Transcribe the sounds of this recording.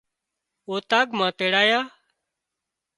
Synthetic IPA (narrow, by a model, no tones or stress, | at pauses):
oːt̪aːɡmãːt̪eːɽaːjaː